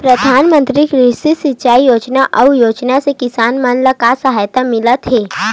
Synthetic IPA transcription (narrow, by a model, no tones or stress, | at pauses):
pɾɐd̪ʱaːnmə̃nt̪ɾikɾɪsisɪt͡ʃaːijoːd͡ʒnaʔɐujoːd͡ʒnasekɪsaːnmanlakasəɦaːjt̪amɪlət̪ɦɛː